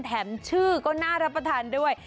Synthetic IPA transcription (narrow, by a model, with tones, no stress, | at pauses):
t̪ʰɛː˩˦mt͡ɕʰɯː˥˩kɔː˥˩naː˥˩ɾa˦˥pːɾa˧t̪ʰaː˩˦ndu˥˩əj